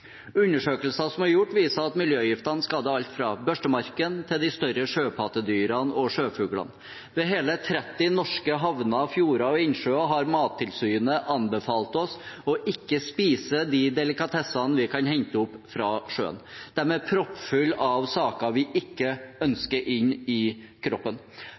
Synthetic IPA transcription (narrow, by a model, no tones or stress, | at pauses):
ʉnːəʂøːkəlsɑsɔmæɾjʊʈːʋiːsəɑt̪mɪljøːjɪft̪ɑnəskɑːd̪əɑlt̪fɾɑbœʂʈəmɑɾkənt̪ʰɪld̪ɪst̪œɾəʂøːpʰɑt̪əd̪yːɾɑnɔʂøːfʉːɡlɑ̰n | ʋɛɦeːlət̪ʰɾɛt̪ːɪnɔʂkəɦɑʋnɑfjuːɾɑɔɪnʂøːɑɦɑɾmɑːt̪ʰːɪlsyːnəʔɑnbəfɑːlt̪ɔsɔʔɪkːəspiːsəd̪ɪd̪ɛlɪkɑt̪ʰɛsɑnʋɪkʰɑnhɛɲt̪əʊpːfɾɑʂø̰ːə̰nd̪̥æɾmɛpʰɾɔpːfʉlːɑʋsɑːkɑʋɪʔɪkːəœnskəɾʔɪnːɪ | kʰɾɔpːən